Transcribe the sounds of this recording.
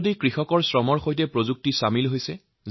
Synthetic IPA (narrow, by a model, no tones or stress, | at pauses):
dikɹixɔkɔɹsɹɔmɔɹxojt̬ɛpɹozuk̚tisamilɦojsɛ | z